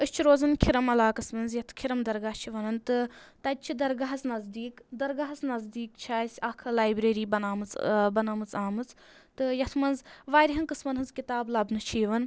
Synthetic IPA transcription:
ɨsʲt͡ʃʰiɾoːzɐnkʲʰiɾɐmɐlaːkɐsmɐnzjɐt̪ʰkʰiɾɐmd̪ɐɾɡaːht͡ʃʰiʋɐnɐnt̪ɨt̪ɐd̪̚ʲt͡ʃʰid̪ɐɾɡaɦɐznɐzd̪iːkd̪ɐɾɡaɦɐznɐzd̪iːkt͡ʃʰaːsʲɐkʰɐlaːjbɾeːɾiːbɐnaːmɨt͡sbɐnɐmɨt͡saːmɨt͡s | t̪ɨjɐt̪ʰmɐnzʋaːɾʲiɦɐnkɨsmɐnɦɨnzkit̪aːblɐbnɨt͡ʃʰiːʋɐn

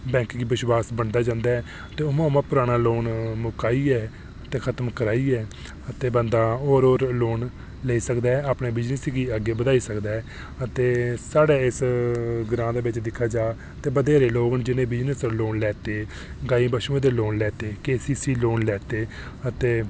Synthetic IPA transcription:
bɛ̃ːŋkɡiːbɪʃwaːsbəɳd̪aːd͡ʒãːnd̪aːɛː | t̪eːʊmãːmãːpʊɾaːɽ̃aːloːnmʊkaːiːɛː | ət̪eːkʰət̪əmkəɾaːiːɛː | ət̪eːbənd̪aːoːɾoːɾloːn | leːiːsəkd̪aːɛːaːpɳẽːbɪd͡ʒnəsɡiːəɡeːbəd̪aːiːsəkd̪aːɛː | ət̪eːsaːɽeːɪsɡɾãːd̪eːbɪt͡ʃd̪ɪkʰːaːd͡ʒaː | t̪eːbəd̪eːɾeːloːɡnd͡ʒɪnẽːbɪd͡ʒnəsloːnlɛːt̪eː | ɡaːiːbəʃũːẽːd̪eːloːnlɛːt̪eːkeːsiːsiːloːnlɛːt̪eː | ət̪eː

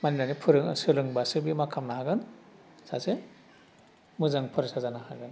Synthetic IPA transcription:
maninanipʰɯɾɯŋsɯɾɯŋbasɯbimakʰamnahaɡɯn | sase | mɯzaŋpʰɯɾesazanahaɡɯn

